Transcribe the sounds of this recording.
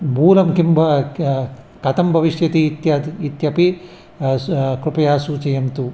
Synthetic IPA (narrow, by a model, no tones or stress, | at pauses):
bʱuːlɐmkimbʱɐ | kɐt̪ɐmbʱɐʋiʃjɐt̪it̪jɐit̪jɐpi | kɾupɐjaːsut͡ʃɐjɐmt̪u